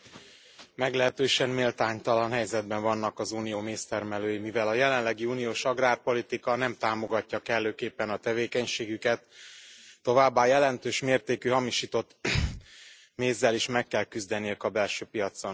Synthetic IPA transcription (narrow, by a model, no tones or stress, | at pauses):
mɛɡlɛɦɛt̪øːʃɛnmeːlt̪aːɲt̪ɒlɒnɦɛjzɛd̪bɛɱvɒnːɒkɒzuːnijoːmeːst̪ɛrmɛløːjimivɛlɒjɛlɛnlɛɡiuːnijoːʃɒɡraːrpo̞lit̪ikɒnɛmt̪aːmo̞ɡɒcːɒkɛlːøːkeːpːɛnɒt̪ɛveːkɛɲʃeːɡykɛt̪ː | o̞vaːbːaːjɛlɛnt̪øːʃmeːrt̪eːkyɦɒmiʃiːt̪o̞t̪ː | meːzːɛliʃmɛkːɛlkyzd̪ɛnijøkɒbɛlʃøːpijɒt̪so̞n